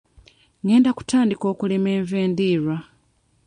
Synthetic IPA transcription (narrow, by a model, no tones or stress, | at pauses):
ŋe̞ːndaku̥tʰaːndiko̞ːkulemeːɱveːndiːɾwa